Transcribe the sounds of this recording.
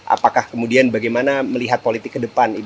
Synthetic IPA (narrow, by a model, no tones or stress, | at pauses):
ʔa̰pakahkəmudianbaɡajmanaməliɦat̪̚polit̪ɪkːədəpani